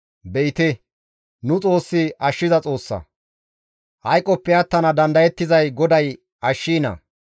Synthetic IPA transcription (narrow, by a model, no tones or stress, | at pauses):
bɛjt̪ɛ | nʊt͡sʼo̞ːsːɪɐʃːɪzɐt͡sʼo̞ːsːɐ̰ | hɐjkʼːɔpːɛjɐt̪ːɐnɐd̪ɐnd̪ɐjɛt̪ːɪzɐjɡɔd̪ɐj | ɐʃːiːnɐ̰